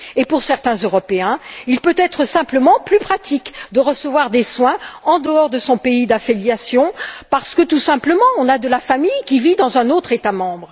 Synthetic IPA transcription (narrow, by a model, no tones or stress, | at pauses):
epuʁsɛʁt̪ɛ̃zøʁɔpeɛ̃ilpøt̪ɛt̪χəsɛ̃pləmɑ̃plypχat̪ikd̪əʁəsəvwaʁd̪eswɛ̃ɑ̃d̪əɔʁd̪əsɔ̃peid̪afiljasjɔ̃paʁsə̥kət̪usɛ̃pləmɑ̃ɔ̃nad̪əlafamijkʲivid̪ɑ̃zɛ̃not̪χet̪amɑ̃bʁ